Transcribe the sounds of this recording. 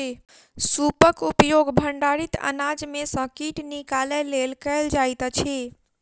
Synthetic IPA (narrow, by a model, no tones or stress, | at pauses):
e | supəkupjoɡbʱəɳɖaɾit̪ə̰nad͡ʒmesə̃kiʈnikalɛlelkəld͡ʒajt̪t͡ʃʰi